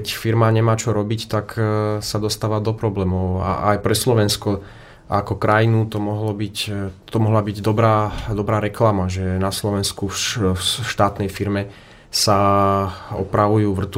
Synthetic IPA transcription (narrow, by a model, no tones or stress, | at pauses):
kɛcfiɾmaɲɛmaːt͡ʃɔɾɔbict̪aksad̪ɔst̪aːʋad̪ɔpɾɔblɛːmɔʊʊa̰ʔajpɾɛslɔʋɛnskɔ | akɔkɾajinut̪ɔmɔɦlɔbict̪ɔmɔɦlabiɟd̪ɔbɾaːd̪ɔbɾaːɾɛklamaʒɛnaslɔʋɛnskufʃt̪aːt̪nɛjfiɾmɛ | sa | ɔ̰pɾaʋujuːʋr̩t̪